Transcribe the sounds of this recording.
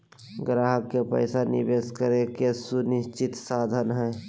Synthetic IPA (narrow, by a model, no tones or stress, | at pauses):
ɡɾaːɦəkːepə̰ɪsanɪ̰beːskəɾekesunɪst͡ʃɪt̪saːd̪ʱənɦɛ̃ː